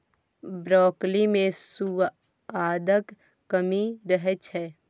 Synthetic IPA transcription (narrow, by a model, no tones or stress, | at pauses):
bɾɔːklimẽsu | aːd̪ək | kəmiɾəɦɛt͡ʃʰɦɛː